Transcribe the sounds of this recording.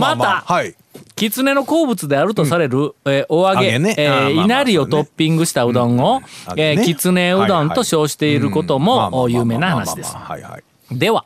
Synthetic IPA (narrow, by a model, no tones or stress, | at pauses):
mat̪a | kʲit͡sɨne̞no̞ko̞ːbɯ̟t͡sɨd̪e̞aɾɯ̟t̪o̞saɾe̞ɾɯ̟eʔoaɡe̞inaɾʲio̞t̪o̞pʲːĩŋɡɯ̟ɕi̥t̪aɯ̟d̪õɰ̃o̞ekʲit͡sɨne̞ɯd̪õnt̪o̞ɕo̞ːɕi̥t̪e̞iɾɯ̟ko̞t̪o̞mo̞jɯːme̞ːnahanaɕsid̪e̞sɨ̥ | d̪e̞βa